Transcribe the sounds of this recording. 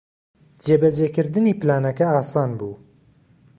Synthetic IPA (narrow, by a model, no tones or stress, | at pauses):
d͡ʒeːbɐd͡ʒekɨɾd̪ɨniːplaːnɐkɐaːsɑːnbuː